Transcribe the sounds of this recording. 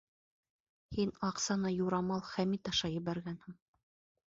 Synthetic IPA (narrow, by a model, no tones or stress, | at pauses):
hinɑqsɑnɑjuɾɑmɑlˠχæmit̪ɑʃɑjɘ̆βæɾɡænhɘɴ